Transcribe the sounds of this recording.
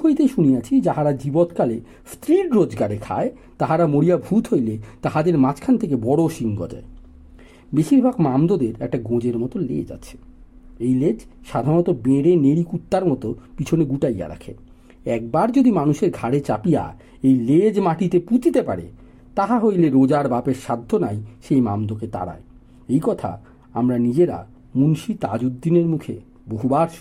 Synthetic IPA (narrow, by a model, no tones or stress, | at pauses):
ojt̪eʃunijat͡ɕʰid͡ʑaɦaɾad͡ʑibot̪kale | st̪ɾiʈɾod͡ʑɡaɾekʰa̰e | t̪aɦaɾamoɽijabʱut̪ɦojlet̪aɦad̪eɾmat͡ɕkʰant̪ʰekebɔɽoʃiŋɡɔ̰d̪ɔ̰e | beʃiɾbʱaɡmamd̪od̪eɾɛk̚ʈaɡõd͡ʑeɾmɔt̪olḛd͡ʑa̰t͡ɕʰe̥ | ejled͡ʑʃad̪ʱaɾnot̪obeɾeneɾikut̪ːaɾmɔt̪opit͡ɕʰoneɡuʈajːa̰ɾa̰kʰḛ | ɛk̚baɾd͡ʑod̪imanuʃeɾɡʱaɾet͡ɕapija̰ | ejled͡ʑmaʈit̪eput͡ɕit̪epa̰ɾḛ | t̪aɦaɦojleɾod͡ʑaɾbapeɾʃad̪ʱːonajʃejmamd̪oket̪a̰ɽa̰e | ejkɔt̪ʰa̰ | amɾanid͡ʑeɾa̰ | munʃit̪a̰d͡ʑud̪ːineɾmukʰḛ | boɦubaɾ